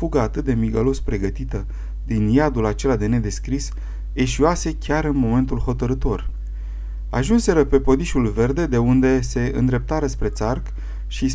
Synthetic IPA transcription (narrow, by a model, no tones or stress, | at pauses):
fuɡəat̪ɨt̪̚d̪emiɡalo̞spɾe̞ɡət̪it̪ə | d̪injad̪ulat͡ʃe̞lad̪e̞ne̞d̪e̞skɾis | e̞ʃioase̞kʲaɾɨnmo̞me̞nt̪ulɦo̞t̪əɾɨt̪o̞r | a̰ʒunse̞ɾəpe̞po̞d̪iʃulve̞rd̪e̞d̪e̞und̪e̞se̞ɨ̰nd̪ɾe̞p̚t̪aɾəspɾe̞t̪sark | ʃis